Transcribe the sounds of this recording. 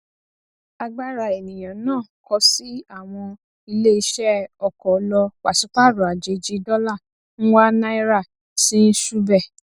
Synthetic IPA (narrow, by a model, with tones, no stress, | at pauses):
a˧ɡ͡ba˦ɾa˧˨e˨nĩ˨j̃ã˨˦nãː˦˨kɔ˧si˦a˦˨w̃ɔ̃˧ | i˧le˦i˧ʃɛ˦ɔ˨kɔ˨˦lɔ˧wa˨sũ˨˦k͡pa˦˨ɾu˨a˨d͡ʒe˨˦d͡ʒi˧˦dɔ˦la˦˨ | n̩˦wa˦na˦i˦ɾa˦˨ | si˦n̩˦ʃu˦bɛ˦˨